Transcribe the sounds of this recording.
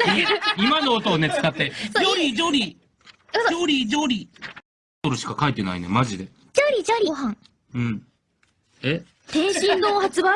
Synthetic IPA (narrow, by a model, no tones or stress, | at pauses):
imano̞ːt̪o̞ːne̞t͡sɨ̥kat̪ːejoɾʲid͡ʑoɾʲi | oɾʲid͡ʑoɾʲi | t̪oɾɯ̟ɕi̥kakait̪ːe̞na̰ḭnḛmaʑid̪e̞ | d͡ʑoɾʲid͡ʑoɾʲiɦãŋ | ɯ̟̃ɴ | e | t̪ẽ̞ɰ̃ɕĩnd̪oːhat͡sɨba